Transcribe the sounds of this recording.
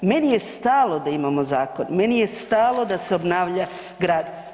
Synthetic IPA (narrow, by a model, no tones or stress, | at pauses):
me̞nije̞st̪aːlˠod̪aimamo̞zaːko̞nme̞nije̞st̪aːlˠo̞d̪aseobnaːʋʎa | ɡɾaːd̪